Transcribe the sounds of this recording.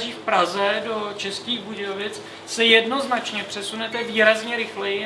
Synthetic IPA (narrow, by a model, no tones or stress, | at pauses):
ʒiːfpɾazɛdo̞t͡ʃɛsciːɣbuɟɛjovɪt͡s | sɛjɛdno̞znat͡ʃɲɛpr̝̥ɛsunɛt̪ɛviːɾazɲɛɾɪxlɛjɪ